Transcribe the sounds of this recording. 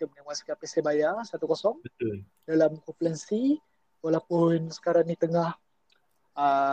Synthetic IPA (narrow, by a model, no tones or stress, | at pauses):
k̪əmənawaskapɛsɛbajasat̪ukɔsɔŋbət̪ul | dalamkɔplɛnsi | walapʊnsə̥kaɾaŋdit̪əŋah | a